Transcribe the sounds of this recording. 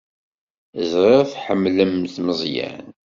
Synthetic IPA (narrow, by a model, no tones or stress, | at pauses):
zˤɾeθħəmːləmθməzˤjæ̰n